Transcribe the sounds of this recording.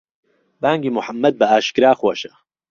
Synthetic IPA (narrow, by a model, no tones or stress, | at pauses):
baːŋɡiːmʊħamːɐd̪̚bɐaːʃkɨɾaːxwɐʃɐ